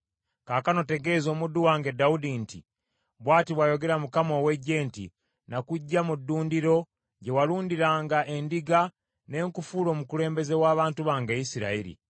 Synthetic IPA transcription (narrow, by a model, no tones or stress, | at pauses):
kaːkano̞te̞ɡe̞zo̞ːmudːuwaːŋɡedaudintḭ | βwaːtiβwajo̞ɡe̞ɾamukamo̞ːwe̞ɟːe̞ːntḭ | nakuɟːamudːuːndiɾo̞ | ɟe̞waluːndiɾaːŋɡaʔe̞ndiɡa | ne̞ːŋkufuːlo̞ːmukule̞ːmbe̞ze̞waːβaːntuβaːŋɡaisiɾa̰iɾḭ